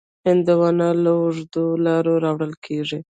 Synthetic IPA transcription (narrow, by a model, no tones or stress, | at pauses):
hɪnd̪awɑnalaʊʐd̪olɑɾoɾɑwɽəlkʰeʐi